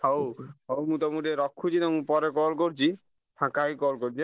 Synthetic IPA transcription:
howɦowmũt̪ɔmuɾeɾɔkʰːut͡ʃinamũpɔɾekɔlkoɾt͡ʃʰi | ʈʰãkaɦikɔlkoɾd͡ʑi

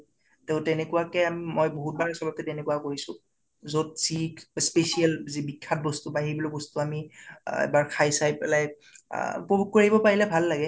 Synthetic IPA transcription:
teʊ̃tɛnɛkuwakɛamimojboɦut̚baɹɛsɔbakɛtɛnɛkwakoɹisʊ̃ | zot̚sikspesiɛlzibikʰːat̚bɔstubaɦibɔlɔbɔstuamiɛ̰baɹkʰajsajpɛlaj | pɔbuk̚koɹaibɔpaɹilɛbʱalːaɡɛ

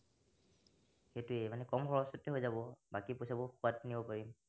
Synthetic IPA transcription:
xetʊemanɛkɔmxɔɹɔsɔtːɛɦojzabɔbakipojsabɔxuatnibɔpaɹim

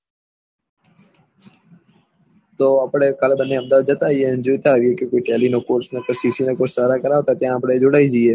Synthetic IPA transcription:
t̪oːəpɽeːkəlbənːeːəmd̪aːd̪̚d͡ʒət̪aːiẽnd͡ʒoːt̪aːʋieːkekoːiːʈɛːliːnoːkoːɾsneːkəsiːsiːnẽkot͡ʃʰsaːɾakəɾaːɦoːt̪at̪jãːəpɽeːd͡ʒʊɽaːiːd͡ʒiːeː

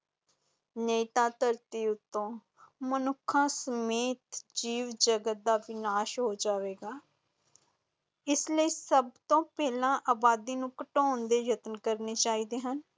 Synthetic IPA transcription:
neːt̪ãːt̪əɾt̪iːʊt̪ːõː | mənʊkʰːãːsəmeːt̪d͡ʒiːʋd͡ʒəɡət̪̚d̪aːʋɪnaːʃɦoːd͡ʒaːʋeːɡaː | ɪsləiːsəbt̪õːpɛːlãːʔaːbaːd̪iːnũːkəʈoːnd̪eːɾət̪ənkəɾneːt͡ʃaːiːd̪eːɦən

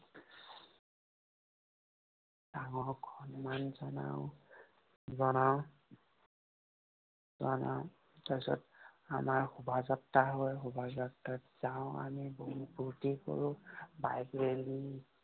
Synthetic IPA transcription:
d̥aŋɔɹɡʰʱɔnmanzɔna̰ʊ | zɔnaʊ | zɔna̰ʊ | tasɔ̰ta̰maɹhubʱazatːaɦojɦubʱazatːaz̥aʊ̃a̰miboɦubuɹtikɔ̰ɹubajɡɹeli

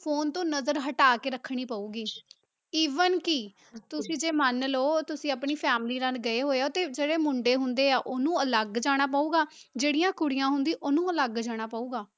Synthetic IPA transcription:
pʰoːnt̪õːnəzəɾɦəʈaːkeːɾəkʰɽ̃iːpəːuːɡiː | iːʋənkɪ | t̪ʊsĩːd͡ʒeːmənloːt̪ʊsĩːəpɳiːpʰɛːmliːɾə̃nɡəeːɦoːeːoːt̪eːd͡ʒeːɽeːmʊɳɖeːɦʊnd̪eːaːʔoːnũːələɡd͡ʒaːɽ̃aːp̬aːuːɡaː | d͡ʒeːɽijãːkʊɽɪjãːɦʊnd̪iːʔoːnũːələɡd͡ʒaːɽ̃aːpaːuːɡaː

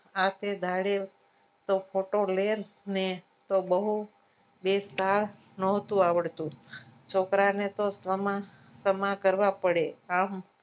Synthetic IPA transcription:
at̪ʰed̪ʱaɽe | t̪opʰoʈoleɾne | t̪obəɦu | best̪ʰaɭ | nɔɦt̪ũaʋəɭt̪ũt͡ʃʰokɾanet̪osəma | səmakəɾʋapəɽeam

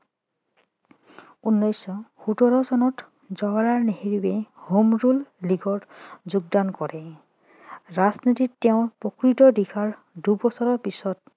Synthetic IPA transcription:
unːɔjsɔhutɔɹɔsɔnɔt | zɔwaɹaɹneɦeɹibɛhomɹulːiɡɔɹzuɡ̚dankɔɹɛ | ɹaznititːɛʊ̃pɹɔkɹitɔdikʰaɹ | dubɔsɔɹɔɹpisɔt

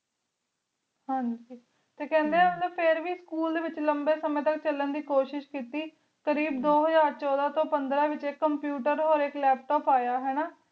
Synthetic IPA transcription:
hãːɲd͡ʒd͡ʒiː | t̪eːkɛ̃ːnd̪eɛːmət̪ləbpʰɪɾʋiːskuːld̪eːʋɪt͡ʃləmbeːsəmẽːt̪ək̚t͡ʃələnd̪iːkoːʃɪʃkiːt̪iː | kəɾiːbd̪oːɦəzaːɾt͡ʃɔːd̪aːt̪õːpənd̪ɾãːʋɪt͡ʃekːəmpjuːʈəɾɦoːɾɪklɛːp̚ʈɔːpaːjaːɦɛːnaː

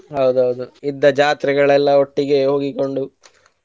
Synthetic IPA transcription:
ɦɐwd̪uɦɐwd̪uid̪ːɐd͡ʒaːt̪ɾɛɡɐɭɛlːɐo̞ʈːiɡe̞ɦo̞ːɡiko̞ɳɖu

